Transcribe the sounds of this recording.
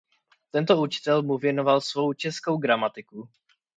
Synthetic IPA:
t̪ɛnt̪o̞ut͡ʃɪ̥t̪ɛlmuvjɛno̞valsvo̞wt͡ʃɛsko̞wɡɾamat̪ɪku

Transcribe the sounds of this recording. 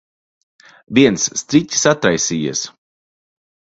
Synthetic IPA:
viɛnsːt̪ɾit̪ʲi̥sat̪ɾajsiːja̰s

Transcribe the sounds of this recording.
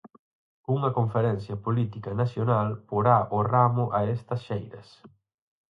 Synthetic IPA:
uŋɐkoɱfeɾɛn̟θjɐpolit̪ikɐnasjonalpoɾaʔoramʊʔɐest̪ɐsʃejɾɐ̰s

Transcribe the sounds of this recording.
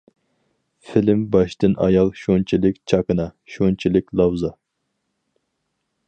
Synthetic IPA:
filɪmbɑʃt̪ɨnʔɑ̰jɑlˠʃont͡ʃʰilɪkʲt͡ʃʰɑkɨnɑʃont͡ʃʰilɪkʲlˠɑwzɑ

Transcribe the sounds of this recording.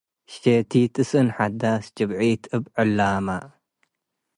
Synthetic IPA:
ʃet̪ʰit̪ʰɨsɨnħad̪asd͡ʒɨβʕit̪ʰɨbʕɨlːama

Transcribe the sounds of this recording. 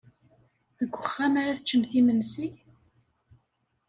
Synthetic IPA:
ðəɡʷːəχːamaɾaθət͡ʃːəmθimənsi

